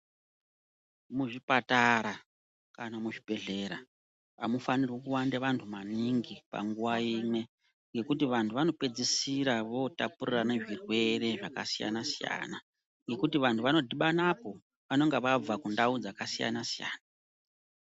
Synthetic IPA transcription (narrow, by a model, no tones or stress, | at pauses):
muʐipataɾa | kanamuʐib̥ʱe̞ɮe̞ɾa | amufanirwekuwandeʋantʰumaniŋɡipa̰ŋɡuʋaiːnwe̞ | ŋɡe̞kutiʋantʰuʋano̞pe̞d͡zisiɾaʋo̞tapurirane̞ʐirwe̞re̞ʐaka̰sija̰nasija̰ːna | ŋɡe̞kutiʋantʰuʋano̞dʱiɓanapo̞ | ʋano̞ŋɡeʋab͡vakundaud͡zakasija̰nasija̰ːna